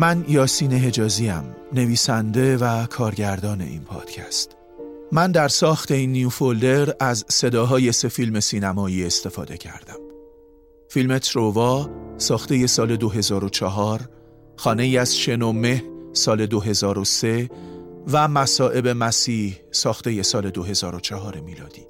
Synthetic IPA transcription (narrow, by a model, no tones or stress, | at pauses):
mænjɒːsiːne̞ɦe̞d͡ʒɒːziæ̰m | ne̞viːsænd̪e̞vækʰɒːɾɟæɾd̪ɒːne̞̰ʔḭːnpʰɒ̰ːd̪̥cʰæ̰st̪ | mænd̪æɾsɒːxt̪e̞inːijufold̪e̞ɾæzse̞d̪ɒːɦɒːje̞se̞filme̞siːnæmɒːiːe̞st̪e̞fɒ̰ːd̪e̞̰cʰæ̰ɾd̪æm | filme̞t̪ʰɾovɒːsɒːxt̪e̞je̞sɒːle̞d̪oɦe̞zɒːɾo̞t͡ʃʰɒɦɒːɾ | xɒːne̞iæz̥ʃe̞nome̞hsɒːle̞d̪oɦe̞zɒːɾo̞se̞ | væmæsɒːʔe̞be̞mæsiːh | sɒːxt̪e̞je̞sɒːle̞d̪oɦe̞zɒːɾo̞t͡ʃʰɒɦɒːɾe̞miːlɒ̰ːd̪̥iː